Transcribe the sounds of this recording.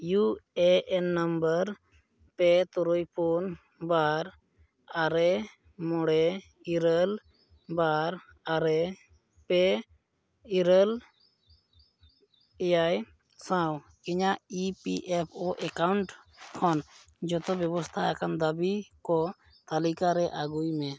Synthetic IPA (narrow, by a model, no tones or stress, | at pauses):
juɛʔɛnːəmbəɾ | pɛt̪ɔɾɔjpɔn | baɾ | aɾɛ | mɔɽɛ | iɾəl | baɾ | aɾɛ | pɛ | iɾəl | ɛjaj | sãw | kiɲaʔipiʔɛpʰɔʔɛkawɳʈkʰɔn | d͡ʒɔt̪ɔbjɔbɔst̪ʰaakand̪əbikɔ | t̪alikaɾɛʔaɡujmɛ